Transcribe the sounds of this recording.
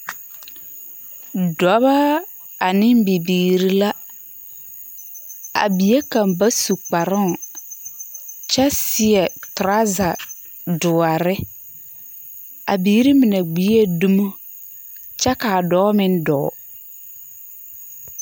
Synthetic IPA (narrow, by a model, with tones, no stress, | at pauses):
dɔ˨˦ba˦ | a˨nɪ˦m˦bi˨biː˨ɾi˦la˦ | a̰˨bi˨je˦kã˨mba˦su˨k͡pa˨ɾɪ˦ŋ˨ | t͡ʃa˦sɪ˦ɛ˨tʊ˨ɾa˦za˨ | dʊ˨a˨ɾɪ˦ | a̰˨biː˨˦ɾi˦mɪ˨na˨ɡ͡biː˨˦e˦du˦mo˦ | t͡ʃa˦ka˨dɔː˦mɪ˦n˦dɔ̰ː˨˦